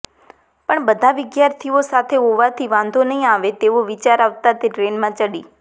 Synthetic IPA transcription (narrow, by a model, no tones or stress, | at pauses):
pəɳbəd̪ʱaʋɪɡjaɾt̪ʰiosat̪ʰeɦoʋat̪ʰiʋãnd̪ʱonəɦĩaʋet̪eʋoʋɪt͡ʃaɾaʋt̪at̪eʈɾenmãt͡ʃəɽiː